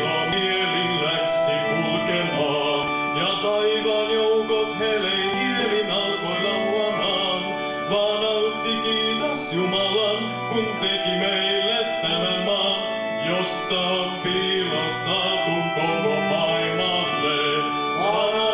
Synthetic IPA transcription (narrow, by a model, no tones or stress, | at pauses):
kɑmielilæksekulkemɑ | jɑt̪ɑjʋɑnjowkot̪ɦelejnielinɑlkolɑmuɑnɑ | n | ʋɑːnɑwut̪ːikiːt̪ɑsjumɑlɑn | kunt̪ekimejlːet̪t̪æmemɑn | jost̪ɑ | pːilɑsɑ | kukomopɑimɑ | lːe